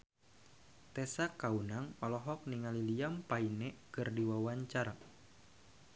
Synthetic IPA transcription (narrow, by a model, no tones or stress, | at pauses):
t̪ɛsakaunaŋɔlɔɦɔk̚niŋaliliampainɛkɨrdiwawaɲt͡ʃar